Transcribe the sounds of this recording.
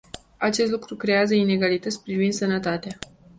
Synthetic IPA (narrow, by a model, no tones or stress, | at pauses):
at͡ʃe̞st̪lukɾukɾe̞jazəine̞ɡalit̪ət̪sʲpɾivind̪sənət̪at̪ea